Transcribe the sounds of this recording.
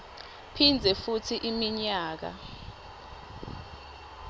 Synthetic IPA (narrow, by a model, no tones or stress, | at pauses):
pʰind͡zʱɛfutʰiʔimiɲaːk̬a̰